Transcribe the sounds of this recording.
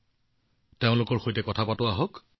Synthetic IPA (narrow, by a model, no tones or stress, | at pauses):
teʊ̃lʊkɔɹxojtɛkɔtʰapatʊaɦɔk